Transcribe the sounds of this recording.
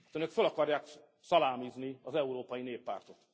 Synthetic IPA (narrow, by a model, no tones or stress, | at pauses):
t̪ønøkfølɒkɒrjaːk | sɒlaːmizniɒzɛuɾoːpɒjineːpːa̰ːrt̪o̞t̪